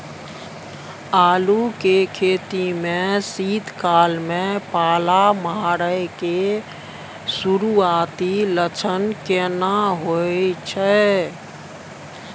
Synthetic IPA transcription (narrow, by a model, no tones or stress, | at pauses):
aːlukekʰet̪imẽsiːd̪ʱkalmẽpaːlamaɾəjke | suɾuat̪ilət͡ʃʰənkenaɦojt͡ʃʰɛ